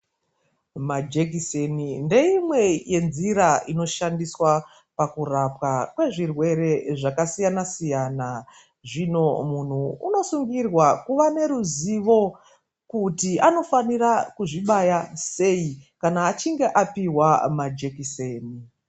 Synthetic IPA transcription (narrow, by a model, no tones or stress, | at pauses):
mad͡ʒek̬iseninde̞imwe̞je̞nziɾaʔino̞ʃandiswa | pakurapwakwe̞ʐirwe̞ɾe̞ʐakasijanasijana | ʐino̞mun̤uuno̞suŋɡirwakuʋane̞ɾuziʋo̞ | kutiano̞fanirakuʐiɓajase̞ikanaːt͡ʃiŋɡe̞ʔapiwamad͡ʒekiseːni